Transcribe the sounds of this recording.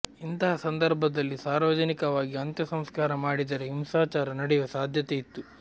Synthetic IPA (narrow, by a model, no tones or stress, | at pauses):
int̪ɐɦɐsɐnd̪ɐɾbʱɐd̪ɐlːisaːɾʋɐd͡ʒɐnikɐʋaːɡiɐnt̪jɐsɐmskaːɾɐmaːɽid̪ɐɾeɦimsaːt͡ʃaːɾɐnɐɽɛjʋɐsaːd̪ʱjɐt̪eit̪ːu